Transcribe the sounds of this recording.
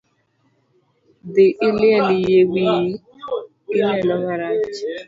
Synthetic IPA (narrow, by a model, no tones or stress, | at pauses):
dɪʔɪlɪelijeɡ͡bii | ɪnelɔŋaɾa